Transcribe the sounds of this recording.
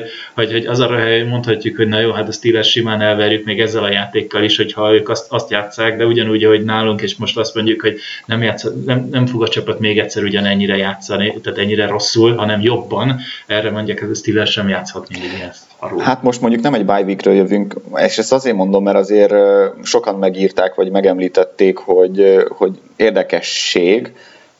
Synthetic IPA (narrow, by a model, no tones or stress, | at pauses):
hɒcho̞ɟɒzɒɾɒɦɛjmo̞nt̪hɒcːukho̞ɟnɒjoːɦat̪ɒst̪ilɛrʃimaːnɛlvɛɾjukmeːɡɛzːɛlɒjaːt̪eːkːɒliʃho̞chɒøːkɒst̪ɒst̪jaːt̪saːɡd̪ɛuɟɒnuːɟɒɦo̞ɟnaːluŋkeːʃmo̞ʃt̪ɒst̪mo̞ɲɟukho̞ɟnɛmjaːt̪sɒnɛmnɛɱfo̞ɡɒt͡ʃɒpɒt̪meːɡɛt̪ʲsɛɾuɟɒnɛɲːiɾɛjaːt̪sɒnit̪aːt̪ɛɲːiɾɛɾo̞sːulɦɒnɛmjo̞bːɒnɛrɛmo̞ɲɟaːkɛzst̪ilɛrʃɛmjaːt̪shɒt̪niniiɛns | ɒ̰ɾuːhat̪mo̞ʃt̪mo̞ɲɟuknɛmɛɟbaːjvikrø̰ːjøvyŋkḛːʃɛst̪ɒzeːrmo̞nd̪o̞mːɛɾɒzeːrʃo̞kɒnmɛɡiːrt̪aːkʋɒɟmɛɡɛmliːt̪ɛt̪ːeːkho̞ɟho̞ɟ | eːrd̪ɛkɛʃːeːɡ